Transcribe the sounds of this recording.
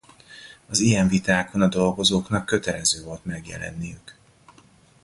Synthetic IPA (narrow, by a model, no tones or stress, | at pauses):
ɒzijɛɱvit̪aːkʰo̞nɒd̪o̞lɡo̞zoːknɒkːø̞t̪ɛlɛzøːvo̞lt̪mɛɡjɛ̰lɛ̰nːijyk